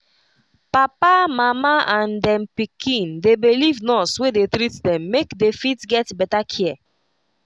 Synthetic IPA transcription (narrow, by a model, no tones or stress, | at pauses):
papamamaʔãndɛ̃mpikʰĩndebilivnɔswedetɾitdɛ̃mːekdefitɡɛtbɛtakʰiɛ